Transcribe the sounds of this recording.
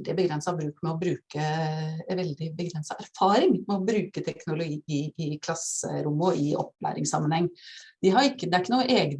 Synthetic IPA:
d̪ɪbəɡɾɛnsɑbɾʉːkmɛɔbɾʉːkə | ʋɛld̪ɪbəɡɾɛnsɑʔæɾfɑːɾɪŋmɛɔbɾʉːkət̪ʰɛknʊlʊɡiːɪʔɪkʰlɑsə̰ɾʊmːɔɪʔɔ̰pːlæ̰ːɾɪ̰ŋsɑmːənhɛŋːd̪ɪɦɑɾɪkːəd̪ɛæɾɪkːənuːəʔeːɡ̪

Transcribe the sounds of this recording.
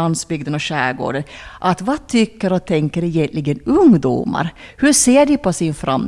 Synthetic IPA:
ansbʏɡd̪ənɔɕæːɡo̰ːɖənʔat̪vɑt̪ʰʏkːəɾɔt̪ʰɛŋkːəɾɛjɛnt̪lɪɡənɵŋd̪ṵːma̰ɾhɵseːɖɪpʰɔsɪnfɾʔa̰m

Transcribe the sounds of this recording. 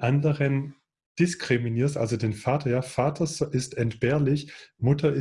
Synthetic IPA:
ʔandəʁən | d̥ɪskʁ̥ɪminiːɐstʔa̰lzodeːnfaːtʰɐjaːfaːtʰɐzʔɪstɛntb̥ɛːɐlɪçmʊtʰɐɪ

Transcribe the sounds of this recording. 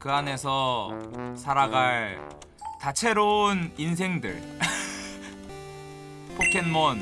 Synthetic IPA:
kɯane̞sʰʌ | sʰaɾaɡaɭ | t͡ɕat͡ɕʰe̞ɾonins̬ʰe̞ŋdɯ̰ɭ | pʰokʰenmʌn

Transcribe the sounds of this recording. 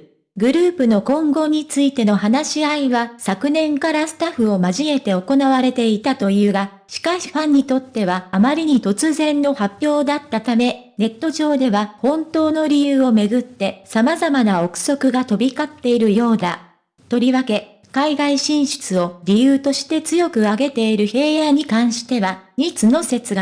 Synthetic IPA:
ɡɯ̟ɾɯ̟ːpɯ̟no̞kõ̞ŋɡo̞ɲ̟it͡sɨit̪e̞no̞ɦanaɕiaiβasakɯ̟nẽ̞ŋkaɾasɨ̥t̪aɸɯ̟o̞maʑie̞t̪e̞o̞ko̞naβaɾe̞t̪e̞it̪at̪o̞jɯːɡa | ɕi̥kaɕi̥ɸãɲ̟ːit̪o̞t̪ːe̞β̞aːmaɾʲiɲ̟it̪o̞t͡sɨzẽ̞nːo̞hapʲːjo̞ːd̪at̪ːat̪ame̞ne̞t̪ːo̞ʑo̞ːd̪e̞βahõ̞nt̪o̞ːno̞ɾʲijɯːo̞me̞ɡɯ̟t̪ːe̞samazamanao̞kɯ̟̥so̞kɯ̟ɡat̪o̞bʲikat̪ːe̞iɾɯ̟jo̞ːd̪a | t̪o̞ɾʲiβake̞ | kaiɡaiɕĩɰ̃ɕi̥t͡sɨo̞ɾʲijɯːt̪o̞ɕi̥t̪e̞t͡sɨjo̞kɯ̟aɡe̞t̪e̞iɾɯ̟he̞ːjaɲ̟ikãɰ̃ɕi̥t̪e̞βaɲ̟it͡sɨno̞se̞t͡sɨɡa

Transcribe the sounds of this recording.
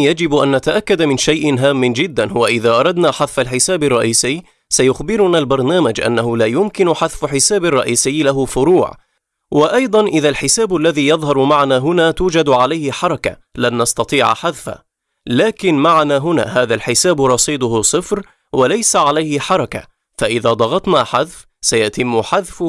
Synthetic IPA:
jad͡ʒɪbʔanːat̪aʔakːad̪amɪnʃajʔɪnɦaːmːɪnd͡ʒɪd̪ːanhʊwaʔɪðaːʔɑɾˤɑd̪naːħaðfalħɪsaːbɑrˤːɑʔiːsɪjː | sajʊxbɪɾʊnaːlbɑɾˤnaːmad͡ʒʔa̰nːahʊlaːjʊmkɪnʊħaðfħɪsaːbɪrˤːɑʔiːsɪːlaɦʊfʊɾuːʕ | wɪʔɑjd̪ˤɑnʔɪðalħɪsaːbalːaðiːjɑðˤɦɑɾˤmaʕnaːɦʊnaːt̪uːd͡ʒad̪ʕalajhɪħɑɾˤɑka̰lanːɑst̪ɑt̪ˤiːʕ̰ħaðfa̰ | laːkɪnmaʕanaːɦʊna̰ːɦaːðalħɪsaːbɾˤɑsˤiːd̪ˤʊhʊsˤɨfɾ | walajsaʕalajhɪħɑɾˤɑka̰ | faʔɪðaːd̪ˤɑɣɑt̪naːħaðf | sajat̪ɪmːʊħaðfʊ

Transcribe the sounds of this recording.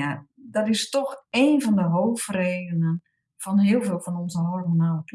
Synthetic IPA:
adɔtɪstɔxeːnfɔndəɦoːfreːdənən | fɔnɦɪəlˠfɪːlˠfɔnɔnzəɦɔrmonaːləpʰ

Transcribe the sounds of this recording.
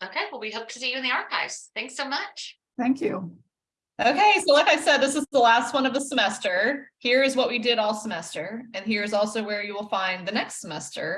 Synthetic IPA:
oʊkʰeɪwəlˠwiɦoʊp̚tʰɨsijʉɨ̃nðiɑɹkʰaɪvz̥θæ̃ŋksoʊmʌt͡ʃ | θæ̃ŋkʰjʉ | ʔoʊkʰeɪsoʊlaɪkaɪsɛd̪̚ðɪsəzðəlæst̚wʌ̃ñʌvðəsəmɛstə˞hiɹɨzwʌʔ̚widɪɾɔlˠsəmɛstə˞ɨ̃nhiɹɨzɔlˠsoʊwə˞jɨwəlˠfãɪ̃nðɨnɛkstsəmɛstə̰˞

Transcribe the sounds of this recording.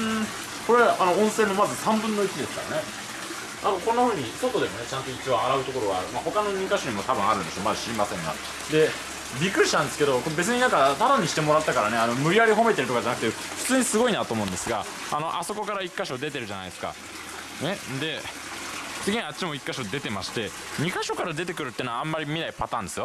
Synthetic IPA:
ko̞ɾeʔano̞õɰ̃se̞ːmːo̞mazɨsãmbɯ̟̃nːo̞it͡ɕid̪e̞sɨ̥kaɾa̰ne̞ | anokõnːaɸɯ̟ːɲ̟iso̞t̪o̞d̪e̞mo̞net͡ɕãnt̪o̞it͡ɕiaaɾaɯ̟t̪oko̞ɾo̞ɡaːɾɯ̟maho̞kano̞ɲ̟ʲĩŋkãɕoɲ̟imot̪abɯ̟̃ɰ̃aɾɯ̟̃nd̪ɕoomad̪aɕiimasẽ̞ŋɡa̰ | d̪e̞ | bʲikːɯ̟ɾiɕi̥t̪ãnd̪e̞sɨ̥ke̞d̪o̞koebe̞t͡s̬ɨɲ̟inãŋkat̪aɾãɲ̟ːiɕi̥t̪e̞mo̞ɾat̪ːakaɾane̞ano̞mɯ̟ɾʲiaɾʲiɦo̞me̞t̪e̞ɾɯ̟t̪okad͡ʑanak̟t̪e | ɸɯ̟̥t͡sɨːɲ̟isɨɡo̞inat̪oːmoɯ̃nd̪esɨɡa | ano̞ʔaso̞ko̞kaɾaikːaɕo̞d̪e̞t̪e̞ɾɯ̟ʑana̰ijd̪e̞sɨka̰ | ne̞d̪e̞ | t͡sɨɡʲiɲatːt͡ɕimo̞ikːaɕo̞d̪e̞t̪e̞maɕi̥t̪e̞ | ɲ̟ikaɕo̞kaɾad̪e̞t̪̬e̞kɯ̟ɾɯ̟t̪ːeːnaãmːaɾʲimʲinaipat̪ãːnd̪e̞sɨjo̞

